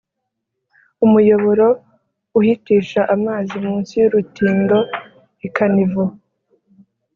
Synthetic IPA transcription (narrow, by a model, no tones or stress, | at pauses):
umujo̞βo̞ɾo̞ | uhitiːʃaʔamaːzimuːnsijuɾutiːndo̞ | ikanivu